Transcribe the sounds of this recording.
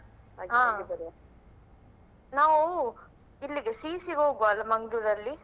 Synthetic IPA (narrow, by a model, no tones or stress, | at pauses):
ɦaːɐɾ | naːʋu | ilːiɡesiːsiɡoːɡuɐlːɐmɐŋɡɖuɾɐlːi